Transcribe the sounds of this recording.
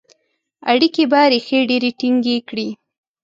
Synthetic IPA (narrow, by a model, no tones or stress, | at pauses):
aɽikebaɾexeɖeɾeʈiŋɡekɽi